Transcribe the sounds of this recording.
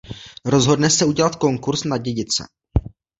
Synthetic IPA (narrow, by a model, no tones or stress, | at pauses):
ɾo̞zɦo̞dnɛsɛuɟɛlat̪ko̞ŋkuɾsnaɟɛɟɪt͡sɛ̰